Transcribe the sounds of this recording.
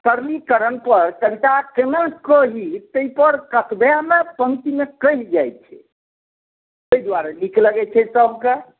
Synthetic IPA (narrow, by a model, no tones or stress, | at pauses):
kəɾlikəɾənpəɾkəbit̪akemənkəɦit̪əipəɾkət̪ʰbeaɦmepə̃ŋt̪imekəɦd͡ʒajtt͡ʃʰɛ̰ | ojd̪waɾelikʰləɡɛt͡ʃʰɛsəbʱke